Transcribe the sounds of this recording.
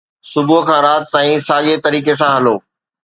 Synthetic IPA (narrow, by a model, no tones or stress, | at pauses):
sʊbuɦkʰãːɾaːt̪̚t̪aːĩsaːɠet̪ɐɾiːkes̬ãɦɐloː